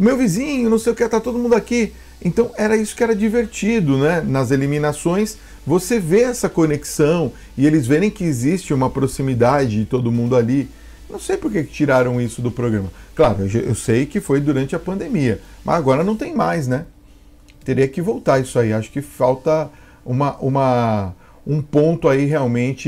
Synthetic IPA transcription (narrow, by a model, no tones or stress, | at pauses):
ʊmewvizĩɲʊnɐ̃w̃sejʊket̪aɾt̪od̪ʊmũnd̪ʊaki | ḛ̃nt̪ɐ̃w̃ɛɾɐisʊ̥kɪɛɾɐd͡ʒiveɾt͡ʃid̪ʊnɛnɐzeliminasõj̃s | voseveɛsɐkoneksɐ̃w̃ | ɪelɪzveɾẽj̃kɪːzist͡ʃɪũmɐpɾosimid̪ad͡ʒɪd͡ʒɪt̪od̪ʊmũnd̪ʊali | nɐ̃w̃sejpʊɾkekɪ̥t͡ʃiɾaɾɐ̃w̃isʊd̪ʊpɾoɡɾɐ̃mɐklaɾʊewʒaʔḛwsejkɪfojd̪uɾɐ̃nt͡ʃɪɐpɐ̃nd̪emiɐmʔɐ̰zaɡɔɾɐnɐ̃w̃t̪ẽj̃majsnɛ | t̪eɾiɐkɪvowt̪aɾisʊaiaʃʊ̥kɪfawt̪ɐ | ũmɐʔũmɐ | ũpõnt̪ʊaiɦeawmẽnt͡ʃɪ